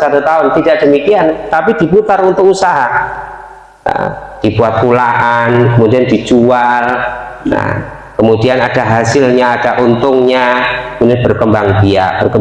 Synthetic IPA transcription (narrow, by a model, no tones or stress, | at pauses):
sat̪ut̪aʊnt̪idaʔd̥əmikiant̪apidiput̪arunt̪ʊk̚usaɦa | ə̰d̥ibuat̪̚kulaʔankəmudiandid͡ʒualna̰ | kəmudianadaɦasɪlɲaːdaʔunt̪ʊŋɲabunɪbərkəmbaŋdia̰ʔb̥ərkə